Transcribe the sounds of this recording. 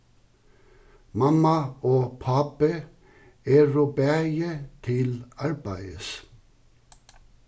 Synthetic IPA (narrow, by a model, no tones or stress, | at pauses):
mɑmɑoːpʰɑpə | eːɹobæjət̪ʰɪlɑɹbæɪəs